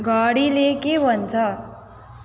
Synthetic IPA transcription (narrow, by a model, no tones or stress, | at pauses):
ɡʱʌɽilekebʱʌnt͡sʰʌ